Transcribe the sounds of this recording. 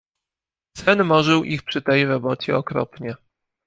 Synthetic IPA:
sɛnmɔʐɘwʔixpʂɘt̪ɛjɾɔbɔt͡ɕɛɔkɾɔ̰pɲɛ

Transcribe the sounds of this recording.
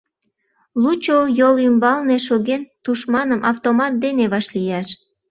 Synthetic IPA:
lut͡ɕojolymbɑlneʃoɣent̪uʃmɑnəmʔɑft̪omɑt̪̚d̪eneβɑʃlijɑʃ

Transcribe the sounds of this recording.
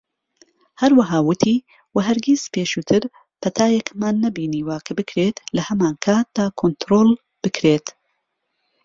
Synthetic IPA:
hɐɾwɐɦaːwʊt̪ʰiː | wɐɦɐɾɡʲiz̥peːʃuːt̪ʰɨɾ | pʰɐt̪ʰaːjekmaːnːɐbiːniːwakʰɐbɨkʰɾet̪lɐhɐmaːnkʰaːt̪̚d̪̥aːkʰont̪ɾoːl | b̥ɨkʰɾeːt̪

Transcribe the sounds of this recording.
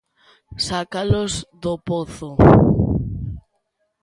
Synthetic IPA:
sakalozðopoθo

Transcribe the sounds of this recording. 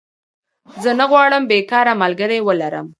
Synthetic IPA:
zənaɣwɑɽəmbekɑɾamalɡəɾewəlaɾə̰m

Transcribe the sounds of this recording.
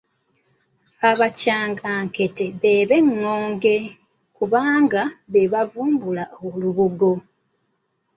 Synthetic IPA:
aβacaːŋɡaːŋke̞te̞βe̞βe̞ŋːoːŋɡe̞ | kuβaːŋɡaβe̞βavuːmbulaoluβuɡo̞

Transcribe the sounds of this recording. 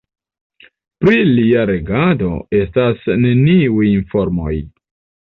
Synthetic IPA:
pɾiliaɾe̞ɡado̞̰e̞stasne̞niujinfo̞ɾmo̞̰j

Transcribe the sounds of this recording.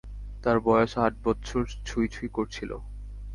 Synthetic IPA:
t̪aɾbɔjoʃaʈ̚bɔtːɕʰoɾt͡ɕʰujt͡ɕʰujkoɾt͡ɕʰilo̰

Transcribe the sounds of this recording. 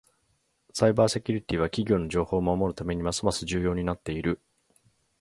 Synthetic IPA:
saibaːse̞kʲuɾʲit̪ʲiβ̞akʲiɡʲo̞ːno̞ʑo̞ːho̞ːmamo̞ɾɯ̟t̪ame̞ɲ̟imasɨmasɨʑɨːjo̞ːɲ̟inat̪ːe̞iɾɯ̟

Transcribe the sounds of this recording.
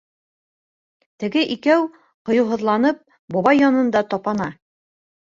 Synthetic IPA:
t̪ɘ̆ɡɘʔikæw | qŏjɤ̆wɦɤ̆ðlˠɑnɤp̚ | bɒβɑjːɒnɤ̆nd̪ɑt̪ɒpɑnɑ

